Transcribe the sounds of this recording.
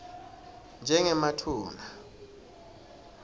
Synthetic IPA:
nd͡ʒʱɛŋɛmatʰuːma

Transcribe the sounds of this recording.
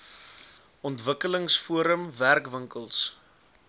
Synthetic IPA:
ɔntvəkələŋsfuəɾəmværkvəŋkəlˠs

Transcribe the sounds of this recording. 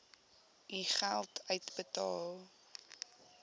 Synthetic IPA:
iχælˠtʰœɥtbətɑːlˠ

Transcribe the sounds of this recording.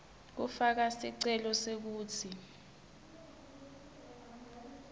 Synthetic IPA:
k̬ufak̬asiǀɛlɔsek̬uːt͡sʰi

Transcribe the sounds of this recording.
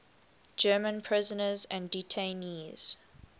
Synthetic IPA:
d͡ʒɜːmə̃npʰɹ̥ɪzənəzæ̃nditʰẽniːz̥

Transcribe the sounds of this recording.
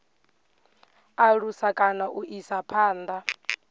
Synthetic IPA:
aɺusakʼanaʔuʔisapʰaːnd̪a

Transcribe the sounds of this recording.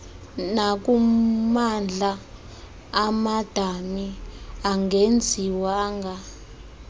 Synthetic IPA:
nak̬umand͡ɮʱaː | mad̥ʱamiaŋɡend͡zʱiwaːŋɡʱa

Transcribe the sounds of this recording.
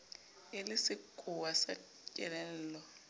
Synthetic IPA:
ɪlɪsɪkʼʊwasa̰ | cʼɛ̰lɛn̩ːlɔ

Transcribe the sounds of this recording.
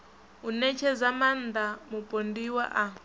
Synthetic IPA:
unɛt͡ʃʰɛzaman̩d̪amupʼondiwa̰ʔa

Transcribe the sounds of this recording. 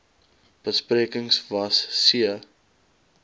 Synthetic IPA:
b̥əspriəkəŋsvɐsːiə

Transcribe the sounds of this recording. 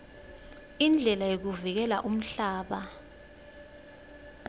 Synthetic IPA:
ind͡ɮʱɛlajok̬uvik̬ɛla̰ʔum̩ɬaːɓa

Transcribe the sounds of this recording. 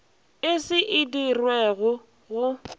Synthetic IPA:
ɪsɪʔɪdirweɣʊ | ɣʊ

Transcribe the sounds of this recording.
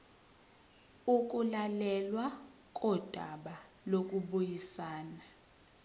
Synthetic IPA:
uk̬ʼulalɛlwa | k̬ʼɔd̥ʱaɓa | lok̬ʼuɓujisaːna

